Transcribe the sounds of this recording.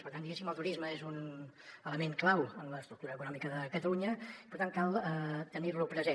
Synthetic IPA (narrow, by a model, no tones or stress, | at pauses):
pəɾt̪and̪iɣɛsiməlˠt̪uɾizməezun | ələmeŋklawənləst̪ɾuk̚t̪uɾəːkunɔmikəðəkət̪əluɲəipəɾt̪ankalˠət̪əniɾləwpɾəze